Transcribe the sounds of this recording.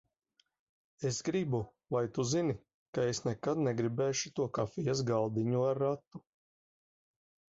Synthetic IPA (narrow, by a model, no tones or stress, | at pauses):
esɡɾibu | vajt̪uzini | kaesnɛkad̪nɛɡɾibɛːʃut̪uɔkafijas̬ɡalˠd̪iɲuaɾːat̪ːu